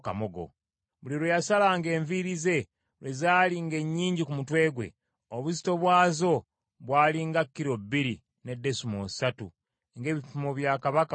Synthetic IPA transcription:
kamoɡo̰ | βuliɾejasalaŋɡe̞ːɱviɾize̞ | lwe̞zaːliŋɡe̞ɲːiːɲɟikumutwe̞ːɡwe̞̰ | oβuzi̥to̞βwaːzo̞ | βwaːliŋɡakːiɾo̞bːiɾi | ne̞dːe̞sumosatṵ | ŋɡe̞ːβipumoβjaːkaβak

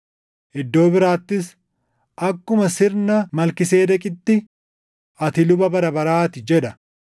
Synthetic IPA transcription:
ʔɪd̪ːo̞ːbɪɾaːt̪ːɪs | ʔɐkːʊmɐsɪɾnɐmɐlkɪseːd̪ɐkʼɪt̪ːɪ | ʔɐt̪ɪlʊbɐbɐɾɐbɐɾaːt̪ɪd͡ʒɛᶑɐ

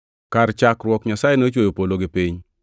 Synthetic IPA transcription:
kaɾt͡ʃakɾwɔkɲasajenot͡ʃwojopoloɡɪpɪɲ

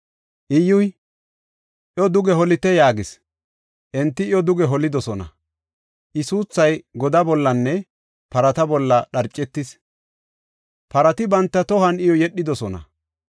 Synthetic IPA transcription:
ʔɪjʊj | ʔjɔd̪ʊɡɛɦɔlɪt̪ɛjaːɡɪs | ʔɛnt̪ːɪjɔd̪ʊɡɛɦɔlɪd̪ɔsɔnɐ̰ | ʔɪsuːt͡sːɐjɡɔd̪ɐbɔlːɐnːɛ | pɐɾɐt̪ɐbɔlːɐɗɐɾt͡ʃʼːɛt̪ːɪs | pɐɾɐt̪ɪbɐnt̪ːɐt̪ɔɦɐnɪjɔjɛɗːɪd̪ɔsɔnɐ̰

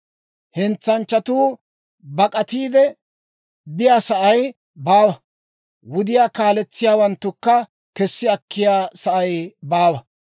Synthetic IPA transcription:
hɛnt͡sːɐnt͡ʃːɐt̪uː | bɐkʼɐt̪iːd̪ɛ | bɪjaːsɐʔɐj | baːwɐ | wʊd̪ɪjaːkaːlɛt͡sːɪjaːwɐnt̪ːʊkːɐ | kɛsːɪɐkʰːɪjaːsɐʔɐjbaːwɐ

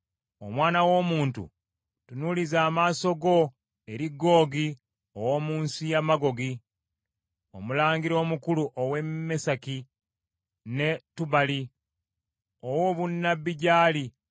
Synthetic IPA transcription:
o̰mwaːnawo̞ːmuːntṵ | tunulizaːmaːso̞ɡo̞ | e̞ɾiɡːo̞ːɡi | owoːmuːnsijamaɡo̞ɡi | o̞̰mulaːŋɡiɾo̞ːmukuluʔowe̞mːesaki | ne̞tuβali | owo̞βunːabːiɟaːli

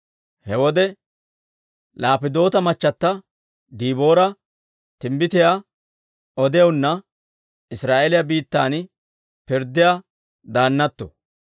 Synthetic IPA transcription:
hɛwɔd̪ɛ | laːpɪd̪o̞ːt̪ɐmɐt͡ʃːɐt̪ːɐ | d̪iːbo̞ːɾɐ | t̪ɪmbɪt̪ɪja | ɔd̪ɛjɐnːɐ | ɪsɾaːʔelɪjɐbiːt̪ːaːn | pɪɾd̪ɪja | d̪aːnːɐt̪ːɔ̰

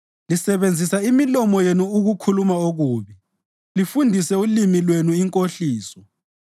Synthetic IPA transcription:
lisɛβend͡zʱisaimilɔmɔjenuːɣukʰulumaoɣuːβi | lifundʱisɛulimilwenuiŋkʼoɬiːsɔ

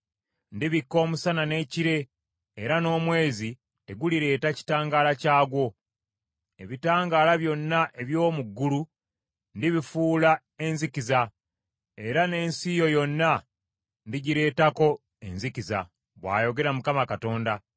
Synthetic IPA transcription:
ndiβikːo̞ːmusanane̞ːciɾe̞ː | ɾano̞ːmwe̞ːzi | te̞ɡuliɾe̞ːtaci̥taːŋɡaːlacaːɡwo̞ | e̞̰βitaːŋɡaːlaβjo̞nːaʔe̞βjo̞ːmuɡːulu | ndiβifuːla | e̞nzikiza | e̞ɾane̞ːnsijo̞jo̞nːa | ndiɟiɾe̞ːtako̞ | e̞̰nzikiza̰ | βwa̰ːjo̞ɡe̞ɾamukamakato̞ːnda

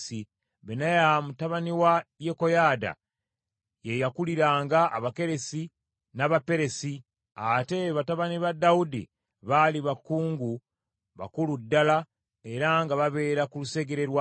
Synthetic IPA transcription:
si | βenajamutaβaniwaje̞ko̞jaːda̰ | jejakuliɾaːŋɡaʔːβake̞ɾe̞si | naβape̞ɾe̞si | ate̞βataβaniβadːaudḭ | βaliβakːuːŋɡu | βa̰kuludːala | e̞ɾaŋɡaβaβe̞ːɾakuluse̞ɡe̞ɾe̞ɾwa

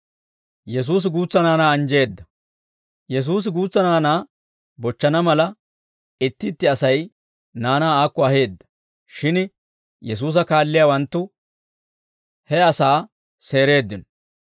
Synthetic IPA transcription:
jɛs̬uːs̬ɪɡuːt͡sːɐnaːnaːɐnd͡ʒe̞ːd̪ːɐ | jɛs̬uːs̬ɪɡuːt͡sːɐnaːnaː | bɔt͡ʃːɐnɐmɐlɐ | ɪt̪ːɪt̪ːɪɐsɐj | naːnaːaːkːɔɐhe̞ːd̪ːɐ̥ | ʃɪn | jɛs̬uːs̬ɐkaːlːɪjaːwɐnt̪ːʊ | hɛɐsaː | se̞ːɾe̞ːd̪ːɪnɔ

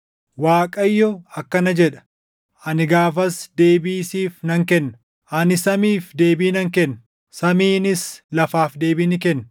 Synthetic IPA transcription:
waːkʼɐjːɔɐkːɐnɐd͡ʒɛᶑɐ̥ | ʔɐnɪɡaːfɐsd̪e̞ːbiːsiːfnɐŋkɛnːɐ | ʔɐnɪsɐmiːfd̪e̞ːbiːnɐŋkɛnːɐ̥ | sɐmiːnɪslɐfaːfd̪e̞ːbɪnɪkɛnː

